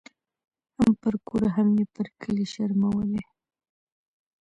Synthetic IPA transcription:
hampəɾkoɾaɦamjepəɾkʰəliʃaɾmawəle

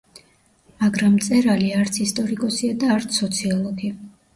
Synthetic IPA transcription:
maɡɾamːt̪sʼɛɾaliaɾt̪sʰist̪ʼɔɾikʼɔsiad̪aːɾt̪sʰɔt̪sʰiɔlˠɔɡi

